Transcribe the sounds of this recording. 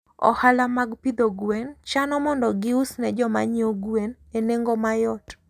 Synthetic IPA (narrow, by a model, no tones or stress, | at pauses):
ɔ̰halamaɡpid̪oɡwent͡ʃanɔmɔndɔɡɪusnɛd͡ʒɔma̰ɲioɡwen | eneŋɡomajɔt